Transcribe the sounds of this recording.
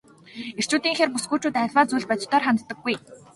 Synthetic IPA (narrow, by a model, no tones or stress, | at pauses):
er̥t͡ɕuːt̪iːŋxeːrpusɡuːt͡ɕuːt̪æ̆ːɮwaːt͡sujɮpœt͡ɕt̪œːrχant̪t̪ːə̆ɡːuj